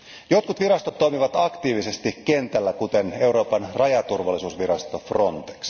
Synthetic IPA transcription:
jo̞t̪̚kut̪ʋiɾɑst̪ot̪ːoimiʋɑt̪ɑkt̪iːʋise̞st̪ikke̞nt̪ælːækut̪e̞ne̞uɾo̞ːpɑnrɑjɑt̪urʋɑlːˑisuːsʋiɾɑst̪o̞fro̞nt̪e̥ks

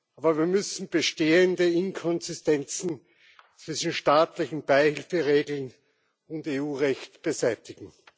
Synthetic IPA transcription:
ʔaːbɐviːɐmʏsn̩b̥əʃteːəndəɪnkʰɔnzɪstɛnt͡sn̩ | t͡sv̥ɪʃn̩ʃtaːtlɪçn̩b̥aɪhɪlfəʁeːɡl̩n | ʊnteːuːʁɛçtb̥əzæɪtɪɡŋ̩

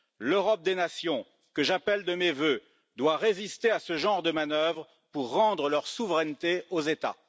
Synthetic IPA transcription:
løʁɔp̚d̪enasjɔ̃ | kəʒapɛld̪əmevø | d̪waʁezist̪easəʒɑ̃ʁd̪əmanœvʁə | puʁːɑ̃d̪ʁəlœʁsuvʁɛnt̪eozet̪a̰

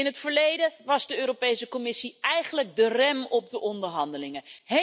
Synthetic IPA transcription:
ɪnɦətfəɹlejdəʋɑzdəøːɾopejsəkomɪsiɛjχənləɡ̚dərɛmɔb̚dəʔɔndəɹɦɑndəlɪŋəɦe

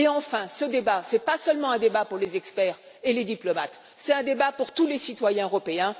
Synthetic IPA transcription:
eɑ̃fɛ̃səd̪ebasɛpasœlmɑ̃ɛ̃d̪ebapuʁlezɛkspɛʁ | eled̪iplɔmat̪ | sɛt̪ɛ̃d̪ebapuʁt̪ulesit̪wajɛ̃øʁɔpeɛ̃

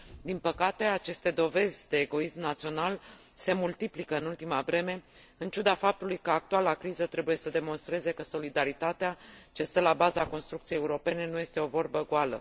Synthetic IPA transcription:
d̪inpəkat̪e̞at͡ʃe̞st̪e̞d̪o̞ve̞zʲd̪e̞ːɡo̞ismnat̪sio̞nal | se̞mult̪iplikəɨnult̪imavɾe̞me̞ | ɨnt͡ʃud̪afap̚t̪ulujkəak̚t̪ualakɾizət̪ɾe̞buje̞səd̪e̞mo̞nst̪ɾe̞ze̞kəso̞lid̪aɾit̪at̪eat͡ʃe̞st̪əlabazako̞nst̪ɾuk̚t̪sijejeuɾo̞pe̞ne̞nuje̞st̪e̞o̞vo̞rbəɡalə̰

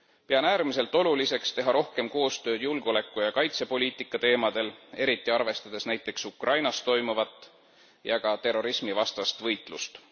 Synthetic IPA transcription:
peɑnæːɾmise̞lt̪ːˑo̞lulise̞kst̪e̞ɦɑɾo̞hke̞mko̞ːst̪ø̞ːd̪̥julɡ̥o̞le̞kːˑujɑkɑjt̪se̞po̞lʲiːt̪ˑikːˑɑt̪e̞ːmɑd̪̥e̞le̞ɾit̪ːˑiɑrve̞st̪ɑd̪̥e̞snæjt̪ːˑe̞ksukrʔɑjnɑst̪ːo̞jmuvɑt̪ːˑ | jɑɡ̥ɑt̪e̞ro̞ɾismivɑst̪ɑst̪vɤjt̪ˑlust̪

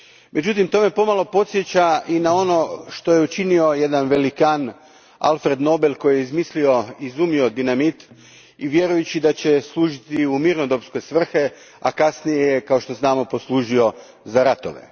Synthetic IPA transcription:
mʔe̞d͡ʑut̪imt̪o̞me̞po̞malˠo̞po̞t̪sjet͡ɕaʔinao̞no̞ʃt̪o̞jeut͡ʃinio̞jed̪anʋe̞likan | a̰lfɾe̞d̪no̞be̞lko̞jjeizmislio̞izumio̞d̪inamit̪ | iʋje̞ɾujut͡ɕid̪at͡ɕe̞slˠuːʒit̪iumiɾnod̪o̞psko̞jsʋr̩xe | a̰kasnijejekao̞ʃt̪o̞znaːmopo̞slˠuːʒio̞ | zaɾat̪o̞̰ʋḛ

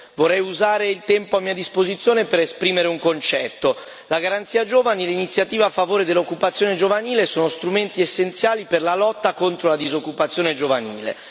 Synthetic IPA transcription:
vorːɛjuzaːɾeilt̪ɛmpoamːiːad̪ispozit̪sjoːnepeɾespɾiːmeɾeuŋkont͡ʃɛt̪ːo | laɡaɾant̪siːad͡ʒoːvanilinit̪sjat̪iːvaːfːavoːɾed̪elːokːupat̪sjoːned͡ʒovaniːlesoːnost̪ɾument̪iesːent̪sjaːliperlalɔt̪ːakont̪ɾolad̪izokːupat̪sːjoːned͡ʒovanḭːlḛ

